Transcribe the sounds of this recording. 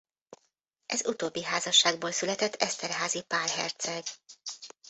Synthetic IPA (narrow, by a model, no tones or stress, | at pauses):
ʔɛzut̪oːbːiɦaːzɒʃːaːɡ̚boːlsylɛt̪ɛt̪ʰːɛst̪ɛrɦaːzipaːrɦɛ̰rt̪sɛɡ̥